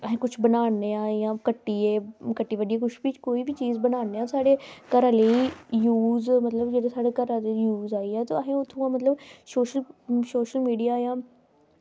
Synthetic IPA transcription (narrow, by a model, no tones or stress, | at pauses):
əɦẽːkʊt͡ʃʰbənaːnːeːãːjãːkəʈːiːeːkəʈːiːʋəɖiːɛːkʊt͡ʃʰbikoːiːbit͡ʃiːzbənaːneːasaːɽeːkəɾaːleːijuːzmət̪ləbd͡ʒeːɽeːsaːɽeːkəɾaːlejuːzaːiɛːt̪oːəɦẽːʊt̪ʰːũãːmət̪ləbsoːʃəlsoːʃəlmiːɖijaːjãː